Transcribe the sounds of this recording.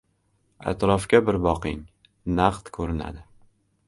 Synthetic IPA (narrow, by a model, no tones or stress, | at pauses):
a̰t̪ɾɒfkʲabɪɾbɒqɪŋ | naqt̪kʰɵɾɪna̰d̪ɪ